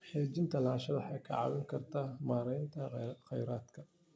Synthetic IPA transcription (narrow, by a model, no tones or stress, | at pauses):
ħɛːt͡ʃɪnt̪ʰɐlaːʃɐðɐħɑjkʰɐ̰ʕɑ̰wɪŋkʰɐrt̪ʰaːmaːɾɛjnt̪ʰɐχɛjɾaːd̪kʰɐ